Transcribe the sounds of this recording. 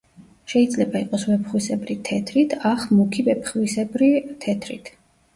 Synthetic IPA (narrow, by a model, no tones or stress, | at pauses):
ʃɛid̪zlɛbaiqʼɔsvɛpχwisɛbɾit̪ʰɛt̪ʰɾit̪ʰaχmukʰivɛpʰχwisɛbɾit̪ʰɛt̪ʰɾḭt̪ʰ